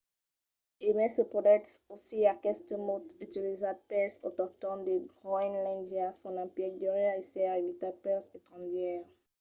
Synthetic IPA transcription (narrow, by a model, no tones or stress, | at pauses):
emɛsəpʁɔd̪ɛksosiakɛst̪əmot̪yt̪ilizad̪̚pɛsot̪ɔʁt̪ɔmd̪əɡʁɔinlɛ̃nd͡ʒɛsɔ̃nãpjɛk̚d̪əʁɛesɛʁevit̪apɛset̪ʁɑ̃d̪jɛʁ